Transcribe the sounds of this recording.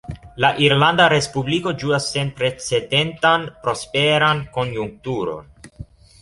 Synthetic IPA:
laʔiɾland̪aɾe̞spubliko̞d͡ʒuasːe̞npɾe̞t͡se̞de̞ntanpɾo̞spe̞ɾanko̞njuŋk̚tuɾo̞̰n

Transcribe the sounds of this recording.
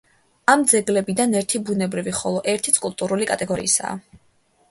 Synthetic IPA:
amd̪zɛɡlɛbid̪anɛɾt̪ʰibunɛbɾiviχɔlˠɔʔɛɾt̪ʰit̪sʰkʼulˠt̪ʼuɾulikʼat̪ʼɛɡɔɾḭːsa̰ː

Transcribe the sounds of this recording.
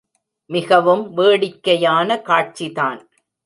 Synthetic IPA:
mɪɣɐʋɯmʋeːɽɪkːɐjaːnɐkaːʈ̚t͡ʃiðaːn

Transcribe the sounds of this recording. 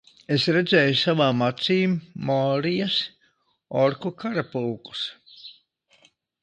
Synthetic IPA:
esɾed̪zɛːjusavaːmːat̪siːmːɔːɾijas | ɔɾkukaɾapuːku̥s

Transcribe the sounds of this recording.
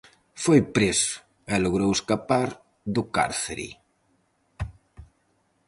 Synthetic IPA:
fojpɾesʊ̥ | ɛloɣɾoweskapaɾ | ðʊka̰ɾθeɾḭ

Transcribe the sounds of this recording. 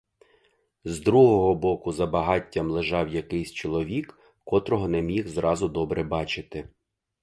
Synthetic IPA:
zd̪ɾuɦɔɦɔbɔkʊzɐbɐɦɑtʲːɐmlˠɪʒɑwjɐkɪjsʲt͡ʃɔlˠɔʋʲikː | ɔt̪ɾɔɦɔnɛmʲixzɾɑzʊd̪ɔbɾɛbɑt͡ʃɪt̪ɪ

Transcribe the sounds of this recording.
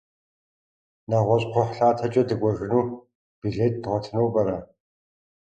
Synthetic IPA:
naʁʷɔɕʼqʷʰɔħɬaːtʰɐt͡ʃʼɐdɨkʷʼɔʒɪnuː | b̥iɮeːt̚ʼdɨʁʷɔtʰɨnuwpʼɐrɐ

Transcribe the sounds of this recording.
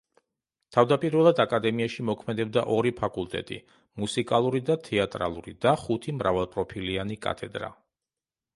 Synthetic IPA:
t̪ʰavd̪apʼiɾvɛlˠad̪akʼad̪ɛmiaʃimɔkʰmɛd̪ɛb̚d̪aʔɔɾipʰakʼulˠt̪ʼɛ̰t̪ʼḭ | musikʼalˠuɾid̪at̪ʰɛat̪ʼɾa̰lˠuɾḭd̪̥aχut̪ʰimɾavalˠpʼɾɔpʰilianikʼa̰t̪ʰɛd̪ɾa̰

